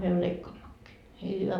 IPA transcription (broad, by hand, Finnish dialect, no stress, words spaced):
myø leikːɑːmːɑkːiː niː hyʋæ